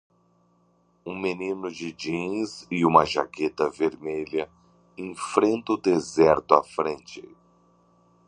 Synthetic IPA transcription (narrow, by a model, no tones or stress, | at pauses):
ũmenĩnʊd͡ʒɪd͡ʒĩzɪũmɐʒa̰ket̪ɐveɾmeʎɐ | ẽfɾẽnt̪ɐʊd̪ezɛɾt̪ʊafɾẽnt͡ʃɪ